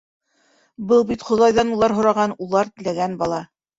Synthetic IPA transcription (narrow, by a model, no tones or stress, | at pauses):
bɤlˠbit̪χŏðɑjðɑnulˠɑɾɦŏɾɑʁɑnulˠɑɾt̪ɘ̆læɡænbɑlˠɑ